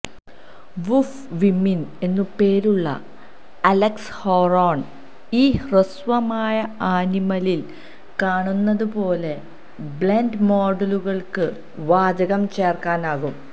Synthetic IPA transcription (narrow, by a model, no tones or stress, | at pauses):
ʋuf | ʋimːine̞nːupe̞ːɾuɭːɐ̰ | ɐlekshoːroːɳ | iːhrɨsʋɐmaːjɐaːnimɐlil | kaːɳunːɐðupo̞ːle̞ | bɭendmoːɖɐluɣɐɭkɨ | ʋaːd͡ʑɐɣɐmt͡ɕe̞ːrkaːnaːɣum